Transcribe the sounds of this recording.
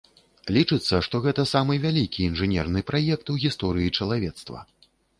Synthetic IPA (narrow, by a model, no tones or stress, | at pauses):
lʲit͡ʂɨt̪sːɐʂt̪ɔɣɛt̪ɐsamɨvʲalʲikʲiːnʐɨnʲɛrnɨpɾajɛk̚t̪uɣʲist̪ɔɾɨjit͡ʂɐlˠavʲɛt̪st̪vɐ̰